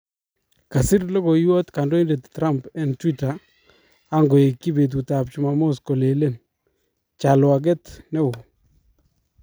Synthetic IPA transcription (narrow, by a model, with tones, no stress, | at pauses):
ka˨sɪ˦ɾlɔ˦ɡɔ˨jwɔ˦t̪ka˨ndɔ˦i˦nde˨ttːɾa˦mpɛ˨ntwi˦ta˨ | a˦ŋɡɔ˨e˨kːi˦be˨t̬u˨ta˨p̚t͡ʃi˨ma˨mo˦skɔ˨le˨le˦n | t͡ʃa˨lwa˨ɡ̬ɛ˦tnɛ˦ʊ˨